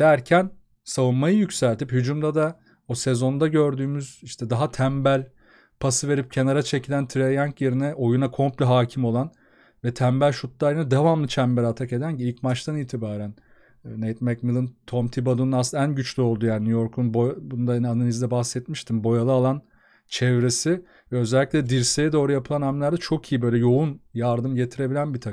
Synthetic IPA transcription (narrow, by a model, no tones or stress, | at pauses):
d̪̥æɾcʰæn | savunmajɯjycsælʲt̪ʰiphyd͡ʒumd̪ad̪a | osezo̞nd̪aɟø̞ɾd̪yːmyz̥iʃt̪ʰɛd̪aɦat̪ʰæmbælʲ | pʰasɯve̞ɾip̚cʰe̞naɾat͡ʃʰe̞cʰilʲænt̪ʰɾejaŋkje̞ɾinɛʔo̞junakʰo̞mplʲiɦaːcʰimo̞lˠan | vɛt̪ʰæmbælʲʃut̪lˠaɾɯnad̪evamlˠɯt͡ʃʰæmbɛlʲat̪ʰake̞d̪ænciilʲcmat͡ʃt̪ʰaniːt̪ʰibaːɾæn | nejt̪mɛkmilˠɯnt̪ʰomt̪ʰibad̪ununasɯnaænɟyt͡ʃlʲyo̞lˠd̪ujaːninujo̞ɾkʰunbobund̪ananalʲizd̪ɛbaxsɛt̪miʃt̪ʰimbo̞jalˠɯalˠan | t͡ʃʰɛvɾe̞sɪ | vɛø̞zælʲːiclʲɛd̪iɾsejɛd̪o̞ːɾujapʰɯlˠanamlʲæɾd̪ɛt͡ʃʰokʰijibøjlʲɛjo̞unjaɾd̪ɯmɟe̞t̪ʰiɾe̞bilʲænbit̪ʰa